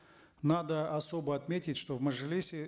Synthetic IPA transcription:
nad̪əɐso̞bəɐt̪mʲetʲɪtʲʂt̪ovməʐɨlʲisʲɪ

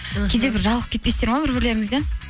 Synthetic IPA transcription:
kʲʰed̪e̞bɪɾʒɑlˠəq̚kʰʲet̪̚pest̪e̞ɾmabɪɾbɪɾle̞ɾɪŋɪzd̪e

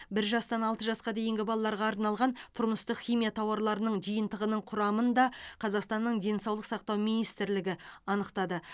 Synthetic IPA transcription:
bɪɾʒɑst̪ɑnɑlˠt̪əʒɑsqɑd̪e̞jɪŋɡʲɪbɑlˠɑlˠɑɾʁɑːɾnɑlˠʁɑnt̪ʰʊɾməst̪əqχʲijmijat̪ʰɑwɑɾlˠɑɾənəɴʒijənt̪əʁənəɴqʰʊɾɑmənd̪ɑqʰɑzɑqst̪ɑnːəɴd̪e̞nsɑwlˠəqsɑqt̪ɑwminijst̪ɪɾlɪɡʲɪɑnəqt̪ɑd̪ə

